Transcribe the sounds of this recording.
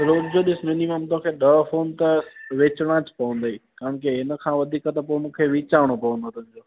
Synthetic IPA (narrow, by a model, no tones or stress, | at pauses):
ɾoːd͡ʑd͡ʑoːɗɪsɪmɪniməmt̪õːkʰeːɗɐfoːnt̪ɐʋeːt͡ɕɽ̃ãt͡ɕpɐʋə̃nd̪ɐiːkaːɾəɳ̃kiɦɪnə̆kʰãːʋɐd̪ʱiːkət̪ɐpomũːkʰeʋɪːt͡ɕaːʋəɽ̃opɐʋə̃nd̪ot̪ʊ̃ɦɪ̃ɲd͡ʑoː